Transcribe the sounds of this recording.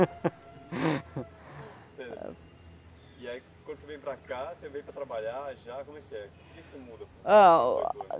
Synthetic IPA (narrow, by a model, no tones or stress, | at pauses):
sḛ | iai | kwɐ̃nd̪ʊsevẽj̃pɾɐkasevẽj̃pɾɐt̪ɾabaʎaʒakõmʊɛkiɛke̥keksemud̪ɐpã̰